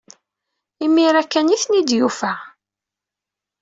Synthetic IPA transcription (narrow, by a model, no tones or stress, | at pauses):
imiɾækːæniθnid̪jufæ